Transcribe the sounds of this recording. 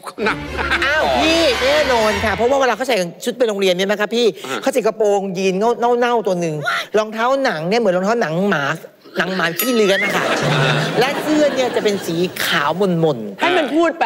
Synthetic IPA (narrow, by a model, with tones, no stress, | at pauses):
ʔaː˧˥˩wpʰiː˥˩nɛː˥˩nɔː˧n˨˩kʰa˧˩pʰɔ˦˥waː˥˩wla˧kʰa˥˩t͡ɕʰa˨˦˧t͡ɕʰu˦˥t̪̚pa˧nɾo˧ŋɾi˧ənmi˦˥˩ma˦˥kʰpʰiː˥˩kʰa˥˩t͡ɕa˨˩ka˧poː˧ŋjiː˧nŋa˥˩wŋa˥˩wna˥˩wt̪u˧ɐnɯ˧ŋlɔː˧ŋt̪ʰaː˦˥wna˩˦ŋni˥˩mɯ˩˦nlɔ˧ŋt̪ʰaː˦˥wna˩˦ŋmaː˩˦k | na˩˦ŋmaː˨˦˧t̪ʰiː˥˩lɯ˦˥ɐt̪̚na˦˧˥kʰa̰˦˥˩lɛ˦˥kɯ˥˩əni˥˩ɐt͡ɕa˨˩pe˧nsiː˩˦kʰaː˩˦wmo˧nmo˧nha˥˩jma˧npʰuː˥˩t̪̚p